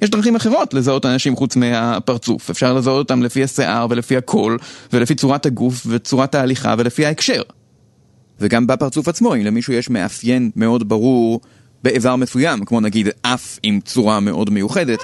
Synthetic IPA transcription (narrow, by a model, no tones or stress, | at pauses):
jeʃ̬dʁaχimaχeʁ̞o̞tle̞zao̞tanaʃimχut͡smeapaʁt͡sṵfefʃaʁlezaot̪o̞t̪amlefihaseʔaʁve̞lefihakʰo̞lvelefit͡suʁathaɡufvet͡suʁataːliχa̰ve̞lefihaekʃe̞ʁ | veɡambapaʁt͡sufat͡smo̞imlemiʃujeʃme̞ʔafje̞nme̞o̞dbaʁuʁ | beːvaʁmesujamkmo̞naɡidʔafimt͡suʁame̞ʔo̞dme̞juχe̞de̞t̪